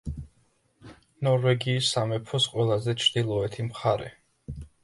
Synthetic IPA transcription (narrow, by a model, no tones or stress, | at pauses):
nɔɾvɛɡiːsːamɛpʰɔsqʼwɛlˠazɛt͡ʃʰɾd̪ilˠɔɛt̪ʰimχaɾɛ̰